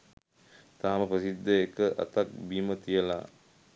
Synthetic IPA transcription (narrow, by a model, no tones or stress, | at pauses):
t̪aːməpɾəsid̪ʱːəekəʔa̰t̪ak̚biːmət̪ijəla̰